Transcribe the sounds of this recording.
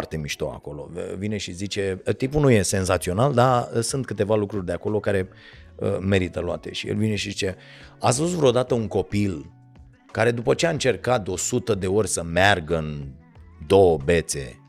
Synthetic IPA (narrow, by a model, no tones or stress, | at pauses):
rt̪e̞miʃt̪oa̰ko̞lo̞̰vine̞ʃizit͡ʃe̞t̪ipunuje̞se̞nzat̪sio̞nald̪aəsɨnt̪̚kɨt̪e̞valukɾurʲd̪e̞ako̞lo̞kaɾe̞ | ə̰me̞ɾit̪əloa̰t̪e̞̰ʃijḛlvine̞ʃizit͡ʃe̞ | as̬vus̬vɾeod̪at̪əuŋko̞pil | kaɾe̞d̪upət͡ʃe̞aɨnt͡ʃe̞rkat̪o̞sut̪əd̪e̞o̞ɾʲsəmearɡəɨn | d̪o̞wəbe̞t̪se̞̰